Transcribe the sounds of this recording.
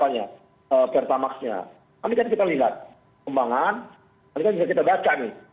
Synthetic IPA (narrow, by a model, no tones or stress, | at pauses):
paɲa | əːpɛrt̪amaksɲa̰ | amikankit̪aliɦat̪̚ | kəmbaŋan | anikanbisak̬it̪abat͡ʃanɪ